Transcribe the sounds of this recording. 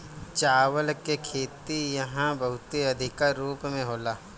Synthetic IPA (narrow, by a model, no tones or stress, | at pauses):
t͡ʃaːʋəlkekʰeːt̪ijɐɦãbɐɦʊt̪eɐd̪ʱɪkaɾuːpmẽɦoːlaː